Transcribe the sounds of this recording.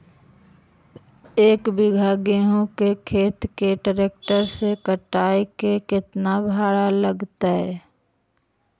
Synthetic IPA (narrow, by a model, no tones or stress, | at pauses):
eːkbɪɡʱaːɡeɦõkekʰeːt̪keɖəɾeːk̚ʈəɾsekəʈaːekekɪt̪nabʱaːɽaləɡt̪aɦɛː